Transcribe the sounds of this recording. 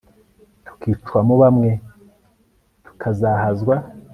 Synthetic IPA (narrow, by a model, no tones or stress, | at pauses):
tʰu̥kʰiːt͡ʃwamuβamŋe̞ | tu̥kʰazahazɡwa